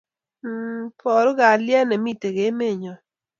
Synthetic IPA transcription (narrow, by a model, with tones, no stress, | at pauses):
pʰɔ˨ɾɡa˨ljɛ˦nɛ˨mi˦te˨ɡe˨˦me˦˨ɲɔ˨